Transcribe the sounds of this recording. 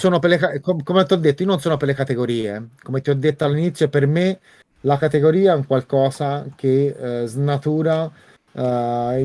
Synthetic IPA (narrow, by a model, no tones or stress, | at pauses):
soːnopelːekakokomet̪iɔd̪ːet̪ːoiononsoːnoperlːekat̪eɡoɾiːekomet̪iɔd̪ːet̪ːaalːinit̪sːjoperme | lakat̪eɡoɾiːaɛuŋkwalkɔːsak̟eznat̪uːɾa